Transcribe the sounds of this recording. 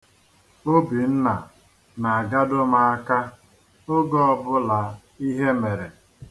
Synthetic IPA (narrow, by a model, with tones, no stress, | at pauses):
o˦bi˨n̩˦na˨ | na˨a˨ɡa˦dʊ˦ma˨a˦ka˦ | ʊ˦ɡɔ˦ɔ˦bʊ˦la˨ | i˦ɦe˦me˨ɾe˨